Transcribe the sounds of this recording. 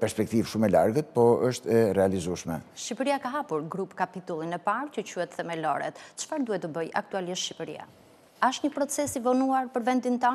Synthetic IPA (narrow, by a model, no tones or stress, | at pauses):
pɛɾspɛk̚t̪ivʃumɛla̰ɾɡət̪̚pɔəʃt̪ɛɾɛalizuʃmɛʃcipəɾiakaɦapuɾɡɾupkapit̪ulˠinɛpaɾcəcuhɛt̪θɛmɛlɔ̰ɾɛ̰t̪t͡ʃfaɾd̪uhɛt̪əbəja̰k̚t̪ualiʃʃipəɾḭa̰ | aʃt̪ɲəpɾɔt͡sɛsivɔnuaɾpəɾvɛnd̪int̪ɔn